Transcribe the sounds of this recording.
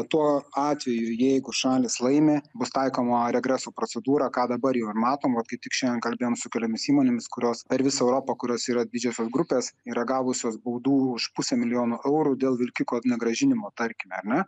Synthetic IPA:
t̪uɔɑːt̪ʲʋʲɛjʊjɛɪɡʊʃɑːlʲɪslˠɐɪmʲeːbʊst̪ɐɪkoːmoːɾʲɛɡɾʲæːsuːpɾoːt͡s̪ʲɛd̪uːɾɑːkɑːd̪ɐbɐɾjɛʊɪɾmɑːt̪oːmʋɐt̪kɐɪt̪ʲɪkʃʲɛnd̪ʲɛnkɐlʲbʲeːjoːmsʊkʲɛlʲoːmʲɪsiːmoːnʲemʲɪskʊɾʲoːspʲɛɾʋʲɪsɐɛʊɾoːpɐkʊɾʲoːsiːɾɐdʲdʲɪd͡ʒʲɛsʲoːsɡɾʊpʲeːsiːɾɐɡɑːʋʊsʲoːsbɐʊd̪uːʊʃpʊsʲɛmʲɪlʲɪjoːnuʔɛʊɾud̪ʲeːlˠʋʲɪlʲkʲɪkoːnʲɛɡɾɐʒʲɪnʲɪmoːt̪ɐɾʲkʲɪmʲɛɐɾnʲɛ

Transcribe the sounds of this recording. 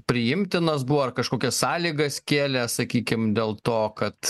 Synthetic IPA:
pʲɾʲɪjɪmʲt̪ʲɪnɐs̬buʋoɐrkɐʃkoːkʲɛssɑːlʲiːɡɐskʲeːlʲɛsɐkʲiːkʲɪmd̪ʲeːlˠt̪oːkɐt̪

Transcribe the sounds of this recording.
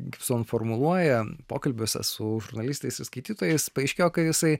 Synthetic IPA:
ɡʲɪpsoːnfoɾmʊlˠuɔjɛpoːkɐlʲbʲoːsʲɛ̰sʊʒʊɾnɐlʲist̪ɐɪsɪskɐɪt̪ʲiːt̪oːjɛɪspɐɛɪʃʲkʲeːjoːkɐt̪jɪsɐɪ

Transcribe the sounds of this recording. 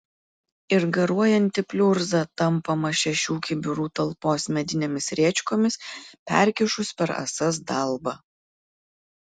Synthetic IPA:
ɪɾɡɐɾuɔjɛnʲt̪ʲɪpʲlʲʊɾzɑt̪ɐmˑpɐmɐʃʲɛʃʲuːkʲɪbʲʊɾuːt̪ɐlˠpoːsmʲɛd̪ʲɪnʲemʲɪsɾʲiɛt͡ʃʲkoːmʲɪspʲɛ̰ˑɾʲkʲɪʃʊspʲɛɾɐ̰sɐsd̪ɐˑlˠbɐ

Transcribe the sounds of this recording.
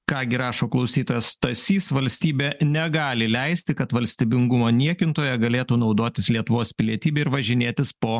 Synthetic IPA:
kɑːɡʲɪɾɑːʃoːklˠɒʊsʲiːt̪oːjɛst̪ɐsʲiːsʋɐlʲsʲt̪ʲiːbʲeːnʲɛɡɑːlʲɪlʲɛɪsʲt̪ʲɪkɐt̪ʋɐlʲsʲt̪ʲiːbʲɪŋɡʊmoːnʲiɛkʲɪnt̪oːjɛɡɐlʲeːt̪uːnɒʊd̪oːt̪ʲɪslʲiɛt̪ʊʋoːspʲɪlʲiɛt̪ʲiːbʲɛɪɾʋɐʒʲɪnʲeːt̪ʲɪspoː

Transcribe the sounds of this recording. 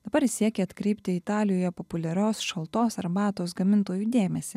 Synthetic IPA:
d̪ɐbɐɾsʲiɛkʲɛɐt̪kɾʲɛɪpʲt̪ʲɪɪt̪ɑːlʲɪjoːjɛpɔpʊlʲɛɾʲoːsʃɐlˠt̪oːsɐɾbɑːt̪oːsɡɐmʲɪnt̪oːjuːd̪ʲeːmʲɛsʲɪ

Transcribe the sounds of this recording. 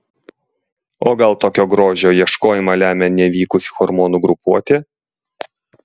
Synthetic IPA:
oːɡɐlˠt̪oːkʲoːɡɾoːʒʲoːjiɛʃkoːjɪmɐlʲæːmʲɛnʲɛʋʲiːkʊsʲɪ̥xɔɾmoːnʊɡɾʊpuɔt̪ʲeː

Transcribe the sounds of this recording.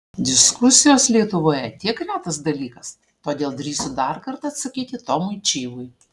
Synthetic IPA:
d̪ʲɪskʊsʲɪjoːslʲiɛt̪ʊʋoːjɛt̪ʲiɛkɾʲæːt̪ɐsd̪ɐlʲiːkɐs | t̪oːd̪ʲeːlˠd̪ɾʲiːsʲʊd̪ɐɾkɐɾt̪ɐːt̪sɐkʲiːt̪ʲɪt̪oːmʊɪt͡ʃʲiːʋʊj

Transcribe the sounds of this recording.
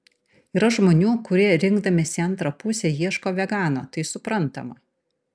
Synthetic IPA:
iːɾɐʒmoːnʲuːkʊɾʲiɛɾʲɪŋɡd̪ɐmʲesʲɐnt̪ɾɐpʊsʲejiɛʃkoːʋʲɛɡɑːnoːt̪ɐɪsʊpɾɐnt̪ɐ̰mɐ

